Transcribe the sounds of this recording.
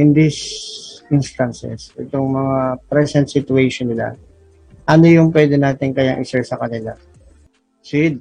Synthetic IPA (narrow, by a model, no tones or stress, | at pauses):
ʔɪnd̪isʔɪnst̪ɐnsɛ̰sʔɛt̪oŋmɐŋapɾɛsɛnt̪sɪt̪ʊejʃonːɪla̰ | ʔɐno̞jʊŋp̬wɛːd̪ɛnaːt̪ɪŋkɐjaŋʔɪsɛɹsɐkɐnɪla | sɪd̪̚